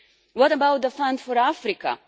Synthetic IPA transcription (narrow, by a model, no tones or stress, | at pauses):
wʌtəbawt̪̚ðəfãndfɔɾafɾika̰